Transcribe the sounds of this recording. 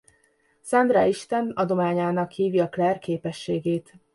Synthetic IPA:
sɒnd̪ɾɒiʃt̪ɛnɒd̪o̞maːɲaːnɒkhiːviɒklɛrkeːpɛʃːeːɡeːt̪

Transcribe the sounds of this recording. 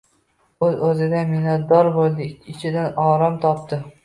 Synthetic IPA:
ɵzɵzɪd̪amɪnat̪̚d̪ɒɾbolˠd̪ɪɪt͡ʃʰɪd̪anɒːɾamt̪ʰɒp̚t̪ʰɪ

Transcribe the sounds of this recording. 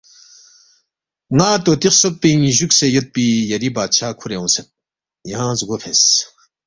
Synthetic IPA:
ŋaːt̪oːt̪ixsopːiŋʑuksejɐt̪̚pijɐɾibaːd̪̚t͡ɕʰaːkʰuɾeũːsɐt̪̚ | jɐɦãːzuɡopʰes

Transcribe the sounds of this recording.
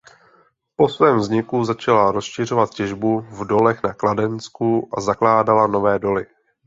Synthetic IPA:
po̞svɛːmvzɲɪkuzat͡ʃalaɾo̞sʃɪr̝o̞vat̪̚cɛʒbuvdo̞lɛxnakladɛnskuʔazaklaːdalano̞vɛːdo̞lɪ

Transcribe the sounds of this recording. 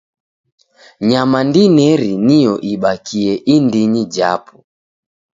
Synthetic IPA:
ɲamandinɛɾinijɔʔiɓakiɛʔindiɲid͡ʒa̰pu

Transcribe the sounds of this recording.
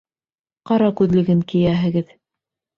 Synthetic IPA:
qɑɾɑkʉðlɘ̆ɡɘŋkĭjæɦɘ̆ɡɘð

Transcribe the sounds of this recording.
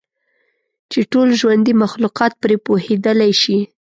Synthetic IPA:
t͡ʃeʈolʒwand̪imaxluqɑt̪̚pɾepohed̪əlajʃi

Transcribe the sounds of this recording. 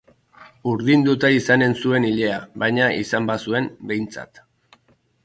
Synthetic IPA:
uɾðind̪ut̪aisane̞nsue̞niʎe̞aβajɲaisambasue̞mbe̞jnt͡sa̰t̪

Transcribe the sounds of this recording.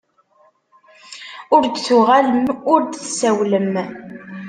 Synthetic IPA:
ʊɾd̪θuʁaləmʊɾd̪θsæwləm

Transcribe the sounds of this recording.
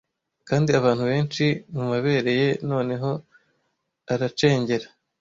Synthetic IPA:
kaːndiaβaːnhuβe̞ːnt͡ʃimumaβe̞ːɾe̞je̞no̞ːne̞ɦo̞ | aɾat͡ʃe̞ːɲɟe̞ɾa

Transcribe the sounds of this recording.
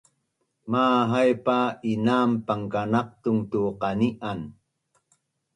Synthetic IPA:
maːɦajpainaːmpaŋkanɑq̚t̪uŋt̪uːqɑniʔan

